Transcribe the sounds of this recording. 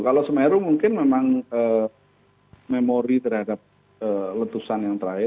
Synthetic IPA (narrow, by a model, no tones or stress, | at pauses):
kalosəmeɾumuŋkɪnmemaŋəː | memoɾit̪ərhadap̚ | ələt̪usanjaŋt̪əɾaɪ